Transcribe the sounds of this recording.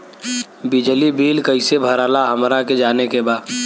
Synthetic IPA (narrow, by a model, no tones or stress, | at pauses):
bid͡ʒlibiːlkəɪsebʱəɾaːlaɦəmɾaked͡ʒaːnekebaːd̪